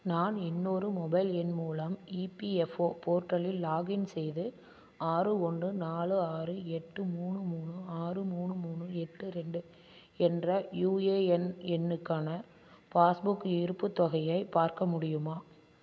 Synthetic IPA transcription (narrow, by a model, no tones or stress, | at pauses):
naːnɪnːoːɾɯmɔbɐɪlɛnmuːlɐmiːpiɛfoːpoːɾʈːɐlɪlːaːɣɪnsɛjðɯ | aːrɯɔɳdɯnaːɭɯaːrɯɛʈːɯmuːɳɯmuːɳɯaːrɯmuːɳɯmuːɳɯɛʈːɯɾɛɳɖɯ | ɛndrɐjuːeːɛnɛnːɯkːaːnɐ | paːsbʊkːɪɾɯpːɯt̪ːɐɣɐjɐɪpaːɾkɐmʊɽɪjɯmaː